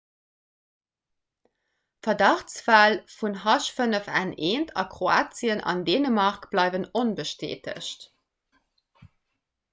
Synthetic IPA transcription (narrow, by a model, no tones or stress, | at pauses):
fɐdɑχt͡sfæːlfunɦɑʃfənəfæ̰neːntʰɑ̰kʁoaːt͡siənɑ̰ndeːnəmɑʁkb̥lɑɪvənonbəʃtḛːtʰə̰ɕt